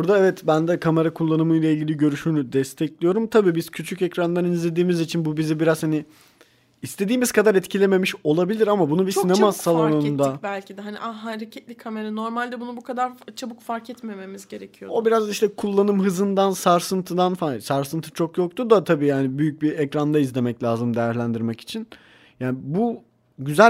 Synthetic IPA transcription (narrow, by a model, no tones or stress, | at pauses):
buɾd̪aɛvɛt̪bænd̪ɛkʰame̞ɾakʰulˠːanɯmɯjlˠailʲɟilʲiɟø̞ɾyʃyːnyd̪ɛst̪ʰɛclʲijo̞ɾumt̪ʰabiːbiz̥cʰyt͡ʃʰycɛcɾand̪anizlʲe̞d̪iːmizit͡ʃʰinbubizibiɾazhani | ist̪ʰe̞d̪iːmiz̥kʰad̪aɾɛt̪cʰilʲeme̞miʃo̞lˠabilʲiɾamabunubisinemasalˠonond̪abælʲcʰid̪ɛɦaniʔaɦaɾecʰɛt̪lʲikʰːame̞ɾano̞ɾmalʲd̪ɛbunubukad̪aɾt͡ʃʰabukfaɾkʰɛt̪me̞me̞mizɟe̞ɾecʰijoobiɾazd̪aiʃt̪ɛkʰulˠːanɯmɦɯzɯnd̪ansaɾsɯnt̪ʰɯd̪anfasaɾsɯnt̪ʰɯ̥t͡ʃʰokjo̞k̚t̪ʰud̪at̪ʰabiːjaːnibyjyc̚biɛcɾand̪aizlʲe̞mɛclʲaːzɯmd̪ejæɾlʲænd̪iɾmɛci̥t͡ʃʰin | jaːnibu | ɟyzæ